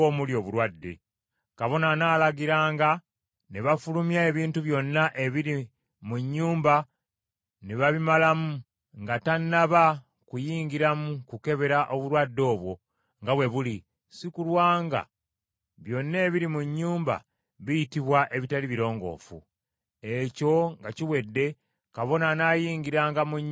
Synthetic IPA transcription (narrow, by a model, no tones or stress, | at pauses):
oːmuljo̞ːβuɾwadːe̞̰ | kaβo̞nanaːlaɡiɾaːŋɡa | neβafulumjae̞βiːntuβjo̞nːaʔe̞βiɾi | muɲːuːmba | neβaβimalamu | ŋɡatanːaβa | kujiːŋɡiɾamukuke̞βe̞ɾaʔo̞βuɾwadːo̞ːβwo̞ | ŋɡawe̞βuli | sikulwaːŋɡa̰ | βjo̞nːe̞ːβiɾimuɲːuːmba̰ | βijitiβwaʔe̞βitaliβiɾo̞ːŋɡo̞̰ːfṵ | e̞co̞ŋɡaciwe̞dːe̞ | kaβo̞nanaːjiːŋɡiɾaːŋɡamuɲ